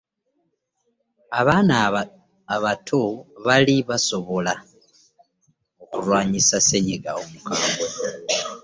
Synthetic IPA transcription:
aβaːnaː | βatʰoβaliβaso̞βo̞la | okulwaːɲisaseɲiɡaomukaːŋbo

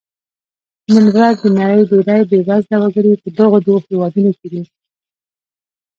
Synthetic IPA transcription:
nɪŋɡɾɑzd̪ənaɾəjd̪oɾajbebazd̪awaɡəɽipəd̪əɣod̪ohewɑd̪unoked̪i

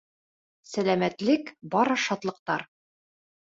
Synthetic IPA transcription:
sælæmæt̪lɘkbɒɾɤʃɒt̪lˠɤ̆q̚t̪ɑɾ

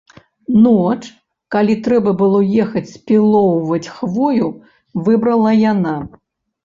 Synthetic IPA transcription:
nɔt͡ʂ | kalʲit̪ɾɛbɐbɨlˠɔjɛxɐt͡sʲsʲpʲilˠɔwvɐt͡sʲxvɔju | vɨbɾɐlˠɐjana

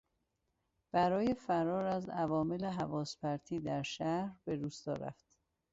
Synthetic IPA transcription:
b̥æɾɒːje̞fæɾɒːɾæzævɒːmeleɦævɒːspæɾt̪ʰiːd̪æɾʃæhɾbe̞d̪uːst̪ɒ̰ːɾæ̰ft̪

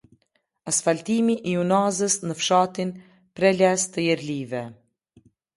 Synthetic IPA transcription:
asfalt̪imiʔiunazəsnəfʃat̪in | pɾɛlɛst̪əjɛɾlivɛ

